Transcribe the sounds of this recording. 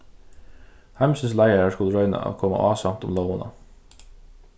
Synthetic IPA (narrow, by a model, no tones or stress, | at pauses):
hæmsn̩slæɪəɾəskʊlɾœʏnɑ̰ʔɑ̰kʰɔmɑ̰ʔɑːsɑmt̪ʊmloʊʊnɑ